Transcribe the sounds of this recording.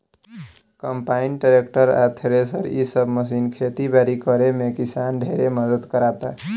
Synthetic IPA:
kəmpainʈaɾek̚ʈəɾa̰t̪ʰeɾesə̰ɾḭsəbʱməs̬inkʰet̪ibaɾikəɾemekisanɖʱeɾeməd̪əd̪kəɾat̪a

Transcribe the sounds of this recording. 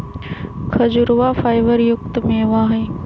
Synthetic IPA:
kʰɐd͡ʑʊɾʊʋaːfaːɪʋəɾjʊk̚t̪mẽʋãːɦeː

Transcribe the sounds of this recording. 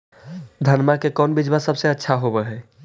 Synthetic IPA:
d̪ʱənmakekɔnbid͡ʒbasəbseətːʃʰaɦobɛɦɛ

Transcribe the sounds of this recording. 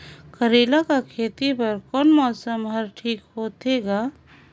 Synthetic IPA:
kəɾeːlakakʰeːt̪ipəɾkɔnmɔːsəmɦəɾʈʰiːkɦoːt̪eɡa

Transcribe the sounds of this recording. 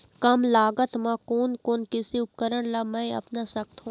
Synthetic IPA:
kɐmlaːɡət̪mãkoːnkoːnkɪsiʊp̚kəɾəɽ̃lamɛ̃ɐ̰pnasɐk̚t̪ɦũː

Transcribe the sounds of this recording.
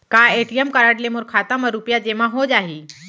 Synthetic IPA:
kaeʈijəmkəɾaʈlemoɾkʰat̪əməɾupjad͡ʑemãɦod͡ʑaɦi

